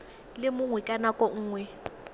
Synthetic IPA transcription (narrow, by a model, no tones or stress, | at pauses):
lɪmʊŋwɛkʼanakʼɔŋ̩ːŋwɛ